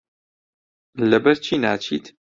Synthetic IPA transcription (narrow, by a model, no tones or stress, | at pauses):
lɐbɐɾt͡ʃʰiːnaːt͡ʃʰḭːt̪